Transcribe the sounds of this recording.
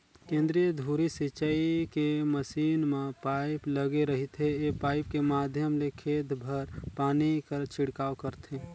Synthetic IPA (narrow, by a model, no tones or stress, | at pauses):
kẽːnd̪ɾijəd̪ʱuːɾisit͡ʃəikeməsiːnmepaɪpləɡeɾəɦit̪ɦeepaːɪpkemaːd̪ʱjəmlekʰeːt̪bʱəɾpaːnikəɾt͡ʃʰɪɽkaːwkəɾt̪ʰe